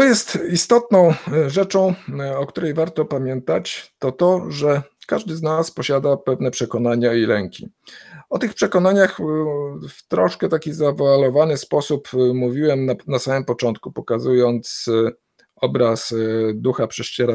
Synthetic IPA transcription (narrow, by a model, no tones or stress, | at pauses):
t̪ɔjɛst̪ist̪ɔt̪nɔ̃w̃ʐɛt͡ʂɔ̃w̃ɔkt̪uɾɛjvaɾt̪ɔpamʲjɛnt̪at͡ɕt̪ɔt̪ɔʐɛkaʐd̪ɘznaspɔɕad̪apɛvnɛpʂɛkɔnaɲailɛŋkʲiɔt̪ɘxpʂɛkɔnaɲax | ft̪ɾɔʂkɛt̪akʲizavalɔvanɘspɔsupmuvʲiwɛmnanasamɘmpɔt͡ʂɔnt̪kupɔkazujɔnt̪s | ɔbɾasd̪uxapʂɛʂt͡ɕɛɾa